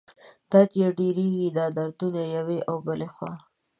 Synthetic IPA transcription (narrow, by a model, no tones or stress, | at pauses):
d̪̥ɑt̪jeɖeɾeɡid̪ɑd̪aɾt̪unajaweʔawbəlexwɑ̰